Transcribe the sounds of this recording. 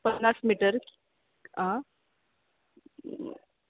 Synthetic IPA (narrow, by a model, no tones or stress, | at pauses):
pənːasmiʈəɾk | ã